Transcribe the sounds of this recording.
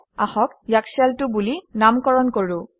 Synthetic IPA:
a̰xɔkjaksialtʊbulinamkɔɹɔnkoɹʊ̃

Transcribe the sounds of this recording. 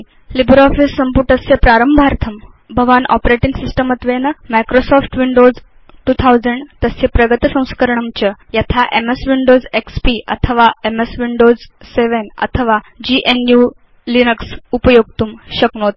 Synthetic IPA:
libɾɔfisːəmpuɾʈəsjepɾaɾəmbʱaɾt̪ʰəm | bʱəʋanʔɔ̰pɾeʈiŋɡsisʈəmət̪ʋenəmajkɾosɔfʈʋiɳɖod͡z | ʈuːt̪ʰawd͡zəɳɖt̪əsepɾəɡət̪sə̃w̃skəɾɳəmt͡ɕəjat̪ʰaʔemesʋiɳɖod͡zekspiʔə̰t̪ʰəʋaemesʋiɳɖod͡zseʋenə̰t̪ʰəʋa | d͡ʑiʔenju | linəksupəjoɡ̚t̪uːmɕəknot̪̚

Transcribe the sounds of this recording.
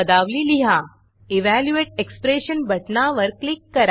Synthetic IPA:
ɐd̪aːʋliliɦa | iʋæljueːʈ̚ekspɾeːʃənbʱɐʈnaʋəɾklikːɐɾ

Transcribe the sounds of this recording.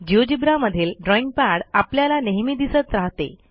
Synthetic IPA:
d͡ʑiod͡ʑibɾaməd̪ʱiːlɖɾɔiŋɡ̚paɽapljalaneɦmiːd̪isət̪ɾaɦt̪ḛ

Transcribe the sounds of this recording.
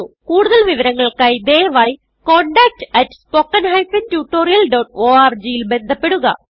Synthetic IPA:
kuːɽuðɐlʋiʋɐɾɐŋːɐɭkɐjd̪eːʋaːji | koɳɖaːk̚ʈɐʈspoːkːɐnɦɐjfɐntjuʈːoːɾijɐlɖoːʈ̚oːaːrd͡ʑijilbe̞nd̪ʱɐpːe̞ɽuɣɐ̰

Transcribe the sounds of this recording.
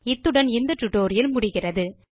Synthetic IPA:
ɪt̪ːɯɽɐnɪnd̪ɐʈːʊʈːoːɾɪjɐlmʊɽɪɣɪrɐðɯ

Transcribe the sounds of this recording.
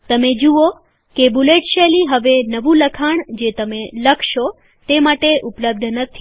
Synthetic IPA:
t̪əmed͡ʒuo | kebuleʈʃeliɦəʋenəʋũləkʰaɳd͡ʒet̪əmeləkʰʃo | t̪emaʈeʔupləb̚d̪ʱnət̪ʰi

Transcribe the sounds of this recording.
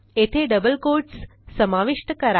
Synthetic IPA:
et̪ʰeɖəbəlkoɾʈssəmaʋiʂʈəkəɾa

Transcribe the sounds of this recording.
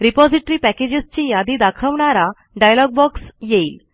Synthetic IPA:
ɾipɔd͡ziʈɾiːpɛked͡ʑest͡ɕĩjad̪id̪akʰəʋɳaɾa | ɖajlɔɡ̚bɔksjeiːl

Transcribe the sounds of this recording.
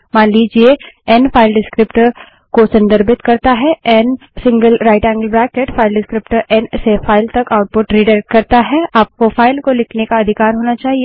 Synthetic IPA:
maːnliːd͡ʒieɛnfʰaːɪlɖɪskɾɪpʈəɾ | kosɐ̃nd̪əɾbɪt̪kɐɾt̪aɦɛɛn | sɪ̃ŋɡəlɾaːɪʈɛ̃ːŋɡəlbɾɛːkeʈfʰaːɪlɖɪskɾɪpʈəɾɛnsefʰaːɪlt̪ɐkaːʊʈ̚pʊʈɾiːɖəɾkɐɾt̪aɦɛaːp̚kofaːɪlkolɪkʰnekaɐd̪ʱɪkaːɾɦoːnat͡ʃaːɦie

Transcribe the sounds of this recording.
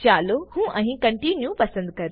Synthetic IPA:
t͡ɕaːlohũʔɛ̃ɦkɐ̃ɳʈinjupɐsə̃nd̪̚kɐɾ

